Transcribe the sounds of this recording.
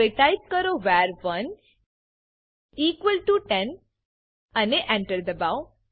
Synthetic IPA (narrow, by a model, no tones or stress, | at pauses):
eʈajp̚kəɾoʋɛɾʋən | iːkʋəlʈuʈɛ̃n | əneʔɛ̃ɳʈəɾd̪əbaw